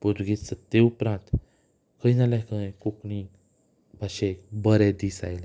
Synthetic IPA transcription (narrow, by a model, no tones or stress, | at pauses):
pud̪ɡisət̪ːeupɾãnt̪ | kʰəinalakʰə̃kuknĩ | bʱaɕebəɾed̪isa̰jla